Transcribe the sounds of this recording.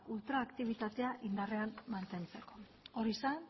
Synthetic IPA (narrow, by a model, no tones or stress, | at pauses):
ult̪ɾaːkt̪iβ̞it̪at̪e̞aʔind̪are̞amːant̪e̞nt͡se̞ko̞̥ | oɾisan